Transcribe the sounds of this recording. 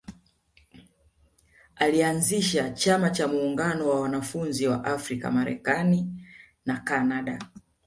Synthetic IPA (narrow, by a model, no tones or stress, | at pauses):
alianziʃat͡ʃamat͡ʃamuːŋɡanɔwawanafunziwaʔafɾika̰maɾɛ̰kani | nakanaɗa